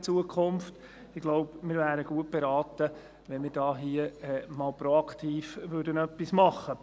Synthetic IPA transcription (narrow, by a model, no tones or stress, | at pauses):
t͡suəkʰχʊmft | ɪɡ̥loʊpmɪːɾvæːɾəɡ̥uət̚b̥eɾɑːt̪ə | ʋɛnmɪːɾdɑːɦiəɛmɑːlpɾoɑkχt̪ʰiːfʋʏɾdənœpːismɑχːə